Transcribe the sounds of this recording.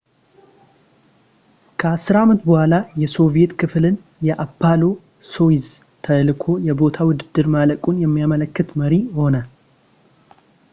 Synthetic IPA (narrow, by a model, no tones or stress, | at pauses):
kʰəasɨɾaamət̪bəhʷalajɛso̞vije̞t̪kʰɨflɨn | jɛʔapːalo̞ | so̞iz | t̪ʰəlkʰojɛbo̞t̪ʰawʊd̪ɨd̪ːɨɾmaləkʼunjɛmːijamələkːɨt̪məɾiho̞nə